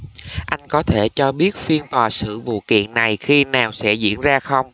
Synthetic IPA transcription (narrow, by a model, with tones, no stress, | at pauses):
ʔa˧jŋ̟kɔ˨˦t̪ʰe˧˩t͡ɕɔ˧ɓi˦˥ət̚fi˧ənt̪waː˨˩sɨ̰˧˨vṵ˧˨kḭ˧˨ənna˨˩jxi˧naː˨˩wsɛ̰˧˥zḭ˧˥ənzaː˧xə˧wŋ͡m